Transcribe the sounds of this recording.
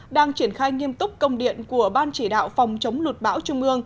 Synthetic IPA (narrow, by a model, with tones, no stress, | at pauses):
ɗaː˧ŋt͡ɕi˧˩ənxaː˧jŋi˧əmt̪ʊ˦˥k͡p̚kə˧wŋ͡mɗḭ˧˨ənku˧˩əɓaː˧nt͡ɕi˧˩ɗa̰ː˧˨wfa˨˩wŋ͡mt͡ɕə˨˦wŋ͡mlu˨˩t̚ɓa̰ː˧˥wt͡ɕʊ˧ŋ͡mʔɨ˧əŋ